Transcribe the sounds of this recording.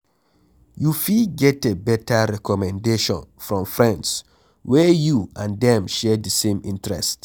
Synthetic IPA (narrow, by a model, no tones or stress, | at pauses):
jufiɡɛtebɛtaɾɛkɔmɛ̃ndeʃɔ̰̃nfɹɔ̃mfɹɛ̃nds | wɛjuʔãndɛ̃mʃɛdəsẽmĩntɹɛ̰st